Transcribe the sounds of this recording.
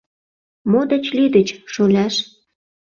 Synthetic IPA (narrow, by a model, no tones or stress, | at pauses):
mod̪et͡ɕlid̪ət͡ɕʃolʲæʃ